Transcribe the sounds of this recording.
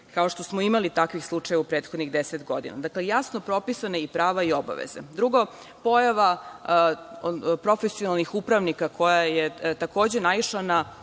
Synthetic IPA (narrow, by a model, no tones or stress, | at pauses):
kao̞ʃt̪o̞smoimalit̪akʋixslˠut͡ʃajeaupɾeːt̪xod̪niɣd̪eset̪ɡo̞d̪ḭna̰d̪aklejasno̞pɾo̞pisaneipɾaːʋaio̞ba̰ʋḛzḛd̪ɾuɡo | po̞jaʋa | pɾo̞fesionalˠnixupɾaʋnikakʰo̞jajet̪ako̞ːd͡ʑenaiʃlana